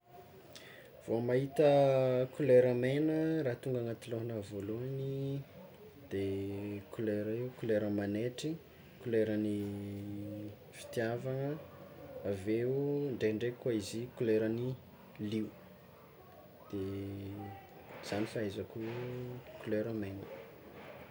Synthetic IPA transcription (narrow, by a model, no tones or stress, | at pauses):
v̥omaɦit̪əkuleɾəmenəɾat̪uŋɡaŋat̪iloɦanəvoluani | d̪̥ekuleɾəiukuleɾəmaneʈ͡ʂi | kuleɾəni | fi̥t̪javaŋə | aveuɳɖ͡ʐeiɳɖ͡ʐekwaizikuleɾəni | liu | d̪̥e | z̥anifaazaku | kuleɾəmenə̰